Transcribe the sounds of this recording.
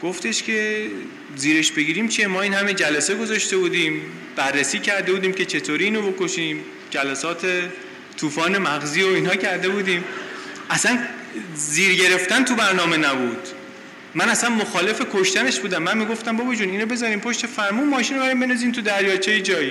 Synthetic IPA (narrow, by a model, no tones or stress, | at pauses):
ɡ̥oft̪e̞ʃkcʰʲe̞ | ziːɾeʃbe̞ɡiːɾiːmt͡ʃʰiemɒːiːnhæmed͡ʒælæseɡo̞zɒʃt̪e̞buːd̪iːm | b̥ærːesiːcʰæɾd̪e̞buːd̪iːmce̞t͡ʃʰe̞t̪ʰoːɾiiːnobokoʃiːm | d͡ʒælæsɒːt̪ʰe̞ | t̪ʰuːfɒːne̞mæɣziːoiːnhɒːcʰæɾd̪e̞buːd̪iːmʔæsæn | ziːɾɟe̞ɾe̞ft̪ænt̪ʰubæɾnɒːme̞næbuːd̪̥ | mænæsænmoxɒːle̞fe̞kʰoʃt̪æneʃbuːd̪æmːænmiːɡo̞ft̪æmbobɒd͡ʒuːniːnobe̞zɒːɾiːmpʰo̞ʃt̪efæɾmuːnmɒːʃiːnobæɾiːmbenɒziːnt̪ʰud̪æɾjɒːt͡ʃʰejed͡ʒɒːji